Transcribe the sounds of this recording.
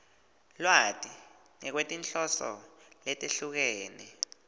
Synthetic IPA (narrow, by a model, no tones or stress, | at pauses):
lwatʼi | ŋɛk̬wetʼinɬɔsɔ̰lɛtʼeɬuk̬ɛːnɛ